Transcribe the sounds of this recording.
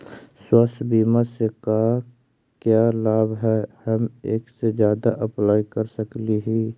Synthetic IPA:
swəst̪ʰbiːmaseka | kjaːlaːbɦɛːhɐmeːksezjaːd̪aʔəplaːikəɾsəkliɦi

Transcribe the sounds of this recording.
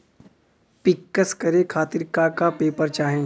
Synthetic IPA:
pɪkːəskɐɾekʰaːt̪ɪɾkaːkapeːpəɾt͡ʃaːɦẽː

